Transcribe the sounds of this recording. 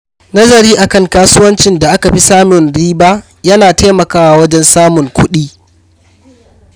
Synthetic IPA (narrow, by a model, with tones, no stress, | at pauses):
nɐ˦zɐ˨ɾiː˦ʔa˨kɐ˦ŋkaː˦sʊ˦wɐ˦nt͡ʃɪ˨nda˨ʔa˦ka˨ɸi˦saː˦mʊ˨nɽiː˦baː˦ | jɐ˦naː˨ta˦mɐ˨kaː˦waː˨wɐ˦d͡ʒɛ˦nsaː˦mʊ˨ŋkʷʊ˦ɗiː˦